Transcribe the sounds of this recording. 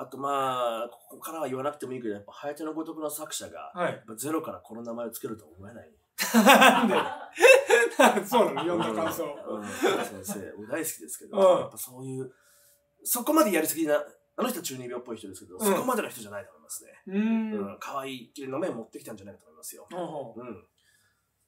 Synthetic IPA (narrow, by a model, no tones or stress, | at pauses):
at̪o̞maːkʰo̥kokaɾaβaiβanakɯ̟t̪e̞mo̞ikɯ̟ojapːahajat̪ʲenoɡo̞t̪o̞kɯ̟no̞sakɯ̟ɕaɡa̰ajapːad͡ze̞ɾo̞kaɾakʰo̞no̞namae̞o̞t͡sɨ̥keɾɯ̟t̪o̞omo̞e̞nai | e | asoːd̪ajõnakãsoɯ̃ːsẽ̞nse̞ːod̪aisɨ̥kʲid̪e̞sɨ̥ke̞d̪ojapːaso̞ːjɯ̟ː | so̞ko̞mad̪e̞jaɾʲisɨɡʲiɲina | nanoçit̪oat͡ɕɨːɲ̟ĩbʲoːpːo̞içi̥t̪oe̞sɨ̥ked̪ossoko̞mad̪e̞no̞çitoanait̪omo̞imasɨ̥ne̞̰ɯ̟̃kʰaβaiːkʲiɾʲenome̞mo̞t̪ːe̞kʲi̥t̪ãɲ̟d͡ʑanaikat̪omimasɨjo̞̰ɯ̟̃ɴ